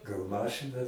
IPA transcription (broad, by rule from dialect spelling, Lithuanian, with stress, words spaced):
ɡɐlˠ ˈmɑːʃɨnɐ